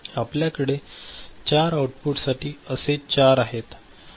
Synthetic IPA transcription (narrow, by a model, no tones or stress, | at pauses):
apljakəɽet͡ɕaɾawuʈpuʈsaʈiːəset͡ɕaɾaɦet̪